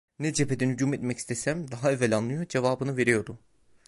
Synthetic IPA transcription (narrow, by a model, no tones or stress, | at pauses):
nɛd͡ʒepʰed̪ɛnhyɟuːmet̪mɛci̥st̪ʰesæmd̪aɦaevːɛlʲanlˠɯjod͡ʒe̞vaːbɯnɯve̞ɾijo̞ɾd̪u